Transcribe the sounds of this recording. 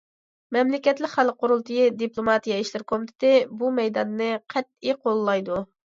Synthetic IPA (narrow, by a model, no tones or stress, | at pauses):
mɛmlɪkʲɛt̪lɪkʲχælˠqːoɾulˠt̪ɨjid̪iplˠomɑt̪ijɑiʃlɪɾkʰomit̪ʰɪ̥t̪ɪbumɛjd̪ɑnːɨqʰɛt̪̚ːiqʰolˠːɑjd̪u